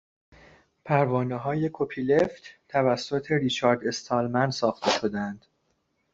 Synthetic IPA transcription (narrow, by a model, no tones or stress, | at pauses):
pʰæɾvɒːneɦɒːje̞kʰopʰile̞ft̪ʰt̪ʰævæsːo̞t̪ʰe̞ɾit͡ʃʰɒːɾd̪e̞st̪ʰɒːlmænsɒːxt̪ʰe̞ʃo̞d̪ænd̪̥